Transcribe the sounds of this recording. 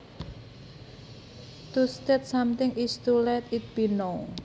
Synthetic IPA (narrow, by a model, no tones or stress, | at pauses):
t̪ust̪ɛt̪̚samt̪ɪŋist̪ulɛt̪it̪̚bino